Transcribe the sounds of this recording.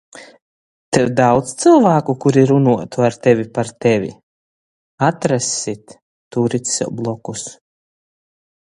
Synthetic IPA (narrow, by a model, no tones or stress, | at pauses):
t̪ɛwd̪awd̪st̪sɨlˠvaːkukuɾiɾunuɔt̪uaɾt̪ɛvʲipaɾt̪ɛvʲḭ | at̪ɾasʲit̪ː | uɾit̪ʲsʲɛ̰blˠɔkus